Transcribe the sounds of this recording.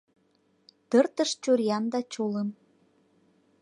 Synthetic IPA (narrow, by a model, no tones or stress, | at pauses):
t̪ərt̪əʃt͡ɕoɾjɑnd̪ɑt͡ɕoləm